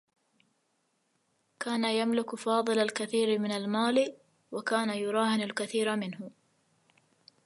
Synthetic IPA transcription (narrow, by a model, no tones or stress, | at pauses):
kaːnajamlɪkfɑːðˤɨlalkaθiːɾɪmɪnalmaːl | wakaːnajʊɾˤɑːhɪnalkaθiːɾmɪnhʊ